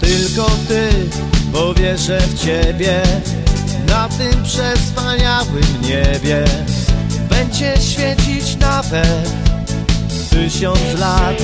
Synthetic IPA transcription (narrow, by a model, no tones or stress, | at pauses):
t̪ɘlkɔt̪ɪ | bɔvʲjɛʐɛft͡ɕɛbʲjɛ | nat̪ɘmpʂɛspaɲawɘmɲɛbʲjɛ | bɛɲd͡ʑɛɕfʲjɛt͡ɕit͡ɕnavɛt̪ | t̪ɨɕɔnt̪slat̪